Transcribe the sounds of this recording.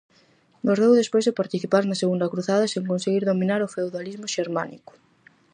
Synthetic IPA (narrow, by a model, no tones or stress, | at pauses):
ɡoɾðewðespojzðepaɾt̪iθipaɾnɐseɣund̪ɐkɾuθaðɐseŋkonseɣiɾðominaɾofewðalizmʊʃeɾma̰nḭkʊ̥